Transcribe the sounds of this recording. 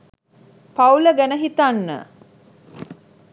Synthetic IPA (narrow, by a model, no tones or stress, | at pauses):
pawləɡænəɦit̪anːə̰